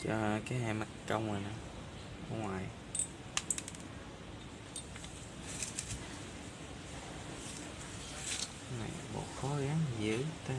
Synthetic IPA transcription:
t͡ɕɔ˧kaː˨˦jɦa˧˩ma˨˩tkə˧wŋ͡mə˨˩na˨˧˦ | ʔɔ̰˧˦ŋwaː˨˩j | na̰˨˩˨mo̰˨˩xɔ˨˦ɣa˨˦ŋzɨ̰˧˨˥t̪a˧˦

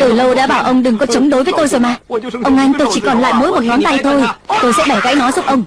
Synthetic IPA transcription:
t̪ɨ˨˩lə˧wɗa̰ː˧˥ɓaː˧˩wʔə˧wŋ͡mɗɨ˨˩ŋkɔ˨˦t͡ɕə˨˦wŋ͡mɗo˨˦jvəː˨˦jt̪o˧jzo˨˩jmaː˨˩ʔə˧wŋ͡mʔa˧jŋ̟t̪o˧jt͡ɕi˧˩kɔ˨˩nla̰ː˧˨jmo̰˧˥jmo˨˩t̚ŋɔ˨˦nt̪a˧jt̪o˧jt̪o˧jsɛ̰˧˥ɓa˧˩jɣa̰˧˥jnɔ˨˦zʊ˦˥p̚ʔə˧wŋ͡m

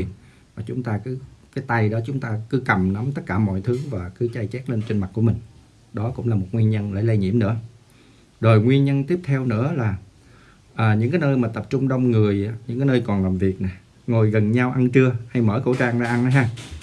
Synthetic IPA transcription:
n | vaː˨˩t͡ɕʊ˨˦ŋ͡mt̪aː˧kɨ˨˦kaː˨˦jt̪a˧jɗɔ˨˦t͡ɕʊ˨˦ŋ͡mt̪aː˧kɨ˨˦kə˨˩mna˨˦mt̪ə˦˥t̚kːaː˧˩mɔ̰˧˨jt̪ʰɨ˨˦vaː˨˩kɨ˨˦t͡ɕa˧jt͡ɕɛ˦˥t̚le˧nt͡ɕe˧nma˨˩t̚ku˧˩əmï˨˩ŋ̟ | ɗɔ˨˦kʊ̰˧˥ŋ͡mlaː˨˩mo˨˩t̚ŋwi˧ənɲə˧nlə̰ː˧˩jlə˧jɲi˧˥əmnɨ̰˧˥ə | zo˨˩jŋwi˧ənɲə˧nt̪i˦˥əp̚t̪ʰɛ˧wnɨ̰˧˥əlaː˨˩ | ʔəː˨˩ɲɨ̰˧˥ŋkaː˨˦jnəː˧jmaː˨˩t̪ə˨˩p̚t͡ɕʊ˧ŋ͡mɗə˧wŋ͡mŋɨ˨˩əja˨˦ɲɨ̰˧˥ŋk̬aː˨˦jnəː˧jkɔ˨˩nlaː˨˩mvi˨˩ət̚na˨˩ | ŋo˨˩jɣə˨˩nɲa˧wʔa˧nt͡ɕɨ˧əha˧jməː˧˩˦xo̰˧˥˦t͡ɕaː˧ŋɗa̰ː˧˦ʔa˧nna˨˦jɦaː˧

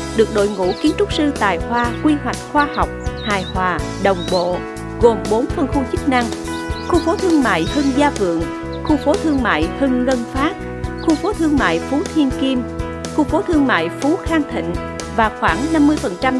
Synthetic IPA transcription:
ɗɨ˨˩ək̚ɗo̰˧˨jŋṵ˧˩˥ki˨˦ənt͡ɕʊ˦˥k͡p̚sɨ˧t̪a̰ː˧˨jhwaː˧kwi˧ɦwa˨˩jk̟̚xwaː˧ha˨˩wk͡p̚haː˧˩jhwaː˨˩ | ɗə˨˩wŋ͡mɓo̰˧˨ | ɣo˨˩mɓo˨˦nfə˧nxu˧t͡ɕɨ˦˥k̚na˧ŋ | xu˧fo˨˦t̪ʰɨ˧əŋma̰ː˧˨jhɨ˧ŋzaː˧vɨ̰˧˨əŋ | xu˧fo˨˦t̪ʰɨ˧əŋma̰ː˧˨jhɨ˧ŋːə˧nfaː˦˥t̚ | xu˧fo˨˦t̪ʰɨ˧əŋma̰ː˧˨jfu˨˦t̪ʰi˧ənki˧m | xu˧fo˨˦t̪ʰɨ˧əŋma̰ː˧˨jfu˨˦xaː˧ŋt̪ʰḭ̈˧˨ŋ̟ | vaː˨˩xwaː˧˩ŋna˧mːɨ˧əjfə˨˩nt͡ɕa˧m

